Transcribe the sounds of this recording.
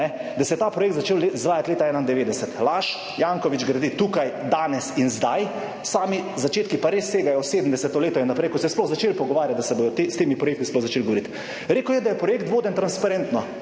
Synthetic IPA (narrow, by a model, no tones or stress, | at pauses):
ɛd̪asɛjɛt̪aːpɾɔjek̚t̪zat͡ʃelleizʋaːjat̪leːt̪aɛːnaind̪ɛʋeːd̪ɛsɛt̪laːʃ | jaːŋkɔʋid͡ʒɡɾad̪it̪uːkajd̪aːnɛsinzd̪aj | saːmizat͡ʃeːt̪kipaɾesːeːɡajɔseːd̪əm̩d̪ɛsɛt̪ɔleːt̪ɔinːapɾɛjkɔt̪sɛjsplɔɣzat͡ʃeːlpɔɡɔʋaːɾjat̪̚d̪asɛboj̪ɔt̪est̪eːmipɾɔjek̚t̪isplɔɣzat͡ʃeːlɡoʋoɾit̪ | ɾeːkəwjɛd̪ajɛpɾɔjeːkt̪ʋoːd̪ənt̪ɾanspaɾeːnt̪nɔ